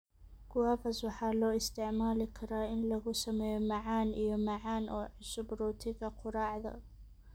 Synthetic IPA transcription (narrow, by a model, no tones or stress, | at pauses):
kʊwaːfɐswɑħɑːlɔːɪst̪ɪʕmaːlɪkʰɐɾaːʔɪnlɐɣʊsɐmɛjɔmaʕaːnʔijɔmaʕaːnʔɔːʕʊsʊbɾuːt̪ʰɪɣɐqʰʊɾˤɑːʕd̪ɐ̰